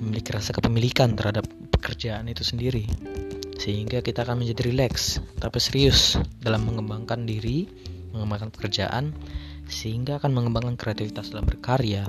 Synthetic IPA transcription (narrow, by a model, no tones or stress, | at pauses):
məmilɪkɾasakəpəmilikant̪ərhadapːə̥kərd͡ʒaanit̪usəndiɾi | səɦiŋɡakit̪aːkanməɲd͡ʒadiɾilɛkst̪apisəɾiʊsdalamːəŋəmbaŋkandiɾi | məŋəmbaŋkanpə̥kərd͡ʒa̰ʔa̰n | səhiŋɡaːkanməŋəmbaŋkankɾeat̪ifit̪asdalambərkaɾja